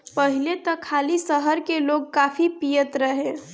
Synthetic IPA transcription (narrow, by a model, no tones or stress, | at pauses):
pəɦɪlet̪ɔkʰːaːlisəɦəɾkeloːɡ̚kaːfipijət̪ɾəɦẽː